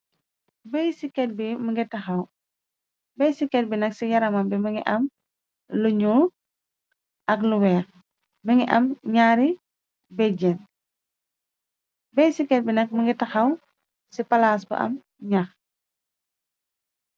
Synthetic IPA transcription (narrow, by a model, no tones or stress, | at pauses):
bɛjsikɛt̚biməŋɡɛtɐxɐw | bɛjsikɛt̚binɐksijɐɾɐmɐmbiməŋɡiʔɐm | luɲu | ʔɐkluwɛːk | məŋiʔɐmɲaːɾi | bɛd͡ʒɛn | bejsikɛt̚binɐk̚məŋɡɛtɐxɐw | sipɐlaːs̬bə̰ʔɐ̰m | ɲɐx